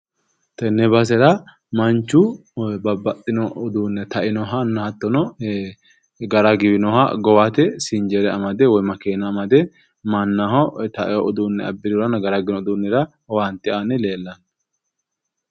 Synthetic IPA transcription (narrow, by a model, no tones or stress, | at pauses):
t̪ɛnːɛbɐs̬ɛɾɐ | mɐnt͡ʃːʊ | bɐbːɐt̪ʼːɪnɔʔɔd̪uːnːɛt̪ɐʔɪnɔɦɐnːɐhɐt̪ːɔnɔ | ɡɐɾaɡɪbɪnɔhɐ̰ɡɔwat̪ɛsɪnd͡ʒɛɾɛɐ̰mɐd̪ɛwɔjmɐkeːnɐːmɐd̪ɛ | mɐnːaɦɔt̪ɐʔɛjɔɔd̪unːɛɐ̰bːɪd̪ʊɾɐnɐɡɐɾaɡɪnɔɔd̪unːɛɾɐ | want̪ːɪanɪleːlːɐn